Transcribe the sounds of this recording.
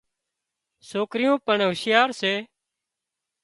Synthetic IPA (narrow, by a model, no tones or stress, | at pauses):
soːkɾɪjõːpəɳɦʊsɪjaːɾseː